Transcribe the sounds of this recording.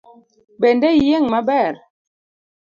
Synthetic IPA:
bɛndɛjɛŋmabɛɾ

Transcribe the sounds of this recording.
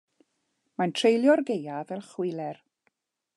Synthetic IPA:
mantʰr̥ejlˠjɔrɡejavɛlˠχwɪlɛr

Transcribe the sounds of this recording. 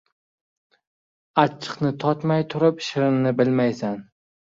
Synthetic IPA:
at͡ʃʰːɨ̥qnɪt̪ʰɒt̪majt̪ʰʊɾɪpʃɪɾɪmnɪbɪlmajsan

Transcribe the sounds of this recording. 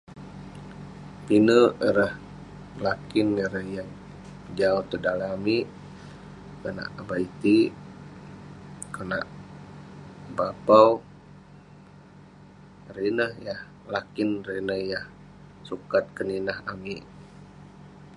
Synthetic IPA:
pinəəɾəh | lakinəɾəhjaŋ | d͡ʒaut̪ədalami | kəna̰ʔabait̪i | kəna̰ʔ | bapaw | rinəhjah | lakinrenəjah | sukat̪̚kəninahamiʔ

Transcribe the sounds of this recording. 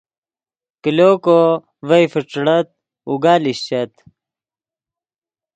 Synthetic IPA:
kiloːko | vɐjfiʈ͡ʂɽɐt̪̚ | uɡaːliɕt͡ɕɐt̪

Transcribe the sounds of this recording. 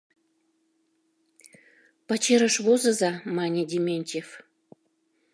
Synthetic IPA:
pat͡ɕeɾə̆ʃβozɤ̆zɑmɑnʲed̪ʲemʲenʲt̪ʲef

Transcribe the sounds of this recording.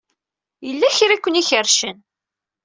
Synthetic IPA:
jəlːæçɾikʷːəniçəɾʃən

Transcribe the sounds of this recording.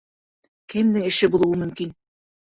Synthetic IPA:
kɘ̆md̪ɘŋɘ̆ʃɘbulˠuwɤmɵ̆mkin

